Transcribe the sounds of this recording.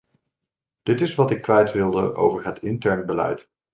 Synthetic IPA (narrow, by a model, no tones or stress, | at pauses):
d̥ɪtɪsʋɑtɪkːʋɛjtʋɪlˠdəʔo̰wvəɹɦətʰɪntɛɹnbəlɛ̰jt